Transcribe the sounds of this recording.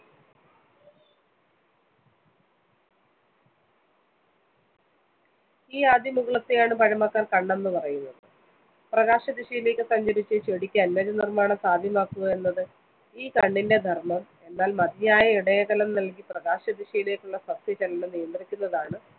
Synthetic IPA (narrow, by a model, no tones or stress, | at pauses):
iːaːd̪ʱjɐmuɣɐɭɐt̪ːejaːɳɨpɐɻɐmɐkːaːrkɐɳːe̞nːɨpɐrɐjunːɐðɨ | prɐɣaːɕɐd̪iɕɐjile̞kʲːɨsɐɲd͡ʑɐɾit͡ɕːɨt͡ɕeɽikʲːɨɐnmɐːd͡ʑɐnirmaːɳɐmsaːd̪ʱjɐmaːkːuɣɐe̞nːɐðɨ | iːkɐɳɖinde̞d̪ʱɐrmɐm | e̞nːaːlmɐd̪ijaːjɐiɽɐjɐkɐlɐmnɐlk̬iprɐɣaːɕɐd̪iɕijilekʲːuɭːɐsɐbsɐt͡ɕɐlɐnɨnijɐnd̪rikʲːunːɐðaːɳɨ